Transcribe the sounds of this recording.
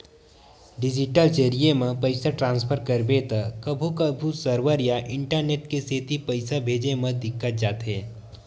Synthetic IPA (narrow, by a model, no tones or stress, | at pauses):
ɖɪd͡ʒɪʈəlt͡ʃeɾijemẽpəɪsaʈɾãːnspʰəɾkəɾbet̪akəbʱukəbʱusəɾʋəɾjaʔɪ̃ɳʈəɾneːʈkeseːt̪ipəɪsabʱeːd͡ʒemə̃d̪ɪkːət̪d͡ʒaːt̪ɦɛː